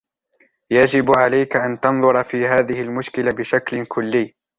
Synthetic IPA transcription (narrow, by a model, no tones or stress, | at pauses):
jad͡ʒɪbʕalajkaʔant̪ɑnðˤʊɾˤɑfiːɦaːðɪhɪlmʊʃkɪlabɪʃaklɪkʰʊlːiː